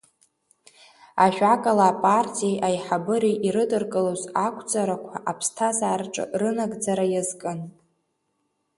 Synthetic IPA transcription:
aʒᶣʷakʼalaːpʼartʰʼijejʔajħabɨɾiʔiɾɨdɨrkʼɨlozakʷʰʼd͡zʼaɾakʷʰaʔapʰstʰazaːrʈ͡ʂʼɨ̰rɨnaɡd͡zaɾajazkʼɨn

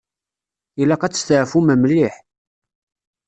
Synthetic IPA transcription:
ilæqæt͡sːə̥st̪əʕfuməmliħ

